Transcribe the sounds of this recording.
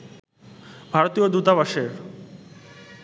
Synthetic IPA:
bʱaɾot̪ijod̪ut̪aβaʃeɾ

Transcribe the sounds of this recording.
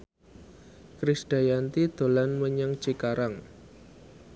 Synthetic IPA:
kɾisɖ̥a̤jant̪id̪̥o̤lanməɲəŋt͡ʃikaɾaŋ

